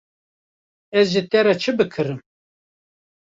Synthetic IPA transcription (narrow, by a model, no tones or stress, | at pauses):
ɛzʒit̪ɛɾɛt͡ʃʰɨbɨkʰɨɾɨm